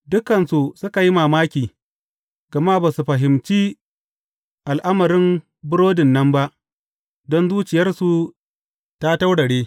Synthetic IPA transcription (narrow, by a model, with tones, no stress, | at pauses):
dʊ˦kɐ˨nsu˨sʊ˦ka˨ji˦maː˨maː˦kʲiː˨ | ɡ̥ɐ˨ma˦baː˨su˨ɸɐ˨ɦɪ˨mt͡ʃiː˦ | ʔa˨lʔa˦mɐ˨ɾɪ˦m | bʊ˦ɽoː˦dɪ˨nːɐ˦mba˦ʔ | dɔ˦nzuː˦t͡ʃɪ˨jɐ˦rsu˨ | ta˦ta˦wɽɐ˨ɽeː˦